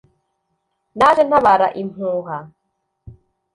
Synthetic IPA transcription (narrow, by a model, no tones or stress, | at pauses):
naɾɛnaβaɾa̰ʔimuːɣa